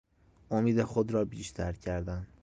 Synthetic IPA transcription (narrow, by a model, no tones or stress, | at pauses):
ʔomiːd̪exod̪ɾɒːbiːʃt̪ʰæɾcʰæɾd̪æn